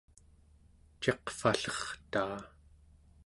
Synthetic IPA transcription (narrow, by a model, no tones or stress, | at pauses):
t͡ʃe̞qfaɬʌχt̪aː